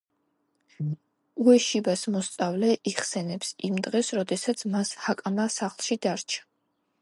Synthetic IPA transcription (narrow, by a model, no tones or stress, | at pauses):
uɛʃibasmɔst̪sʼavlɛʔiχsɛnɛpsimd̪ʁɛsɾɔd̪ɛsat̪sʰmashakʼamasaχlˠʃid̪aɾt͡ʃʰḁ